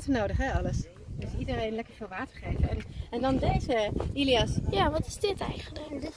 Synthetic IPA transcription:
tənowdəχɦɛɑləs | dɪsidərejnlɛkəɹvɪːlˠʋaːtəɹχejvəɛnɛndɑndejzəiliɑsjaːʋɑtɪzdɪtɛ̰jχənlək

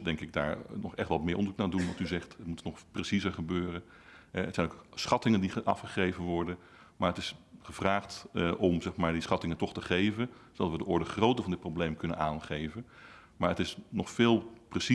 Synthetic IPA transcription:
dɛŋkɪɡ̚da̰ːɹnɔχɛχtʋɑtmɪːɹʔɔnzuknaːdunʋɑntyzɛχtətmutnɔχpresizəɹχəbøːrən | ɦɛətsɛjnoksχɑtɪŋəndiʔɑfχəχrejvənʋɔɹdən | maːɹətɪsχəvraːχtʔɔmzɛχmaːɹdisχɑtɪŋəntɔχtəχejvənsodɑtʋədəʔɔɹdəχrowtəɹvɑndɪt̚prowblejmkɵnə̰naːnχejvən | maːɹətɪsnɔχfɪːlˠprəsi

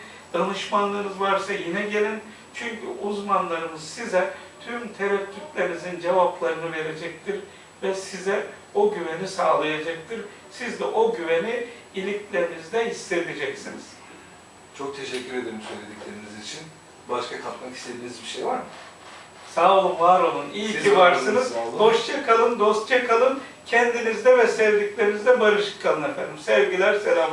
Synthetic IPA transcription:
d̪̥anɯʃmanlˠanɯzvaɾsajinɛɟelʲin | t͡ʃʰyɲcʰyuzmanlˠaɾɯmɯzsizɛt̪ʰymt̪ʰe̞ɾɛt̪ʰːit̪lʲeɾinizind͡ʒevaplˠaɾɯnɯve̞ɾe̞d͡ʒɛc̚t̪ʰiɾ | vɛsizɛ | oɟyvenisaːlˠajad͡ʒakt̪ʰɯɾ | sizd̪ɛʔo̞ɟyveni | ilʲiclʲeɾinizd̪ɛɦisːe̞d̪ʰed͡ʒɛcsiniz̥ | t͡ʃʰo̞k̚t̪ʰe̞ʃɛcʲːyɾed̪eɾimsø̞̰jlʲe̞d̪iclʲe̞ɾinizit͡ʃʰin | baʃkʰakʰap̪maki̥st̪ʰe̞d̪iːnizbiʃejvaɾmɯ | saːlˠɯmvaɾonˠunijivaɾsɯnɯzbo̞ʃt͡ʃʰakʰalˠɯnd̪o̞st̪̚t͡ʃʰakʰalˠɯncʰɛnd̪inizd̪ɛvɛsɛvd̪iclʲe̞ɾinizd̪ɛbaɾɯʃɯ̥kʰːalˠɯnefæ̰nd̪imsɛvɟilʲæɾselʲam

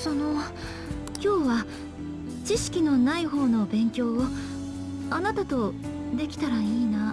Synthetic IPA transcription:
so̞no̞ | kʲo̞ːβa | t͡ɕiɕi̥kʲino̞naiɦo̞ːno̞bẽ̞ŋkʲo̞ːo | anat̪at̪o̞ | d̪e̞kʲi̥t̪aɾaiːna

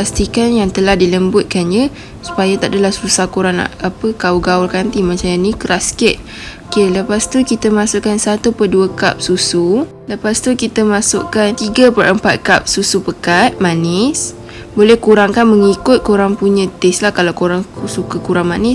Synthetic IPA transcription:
past̪ikanjaŋt̪əlahdiləmbʊt̪̚kanɲə | su̥pajat̪aʔdəlahsusakuɾaŋa̰apəkauɡaʊlkant̪imat͡ʃamjanikəɾaskɛt̪̚ | okeləpast̪ukit̪əmasʊʔkansat̪upəduəka̰p̚susu | ləpast̪ukit̪əmasʊ̰ʔkant̪iɡəpərəmpat̪̚kap̚susupəkat̪̚manɪs | bolɛhkuɾaŋkanməŋikʊt̪̚koɾaŋpuɲãt̪eslahkalawkoɾaŋsukəkuɾaŋmanɪs

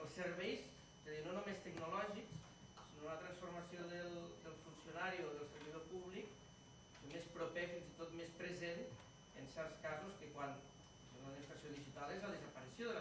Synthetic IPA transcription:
əlˠsəɾβ̞ɛjs | ezaðinonumest̪əɡnulɔʒiksː | inounət̪ɾansfurmasioðəlˠd̪əlˠfunsijunaɾioðəlˠsəɾβiðopuβlik | mespɾopɛfinzit̪ot̪mespɾezen | ənsɛɾskazuskəkwan | senunaðifɾasijoðiʒit̪alezləðəzəpəɾisjoðə

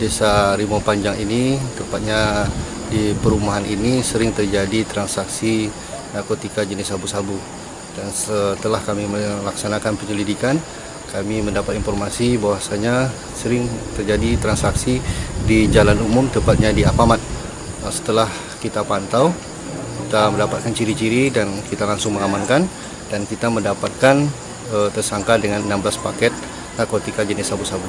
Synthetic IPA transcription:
desaɾimopaɲd͡ʒaŋinit̪əmpat̪̚ɲa | dipəɾumaɦaninisəɾɪŋt̪ərd͡ʒadit̪ɾansaksi | akət̪ikad͡ʒənisabusabu | dansət̪əlahkamiməlaksanakanpəɲəlidikan | kamiməndapat̪infɔrmasibawasaɲa | səɾɪŋt̪ərd͡ʒadit̪ɾansaksidid͡ʒalanumʊmt̪əmpat̪̚ɲadiapamat̪̚ | əsə̥t̪əlah | kit̪apant̪aw | kit̪aməndapat̪̚kant͡ʃiɾit͡ʃiɾidankit̪alaŋsʊŋməŋamankan | dankit̪aməndapat̪̚kan | ət̪ərsaŋkadəŋanənambəlaspakɛt̪̚ | nakot̪ikad͡ʒənisabusabu

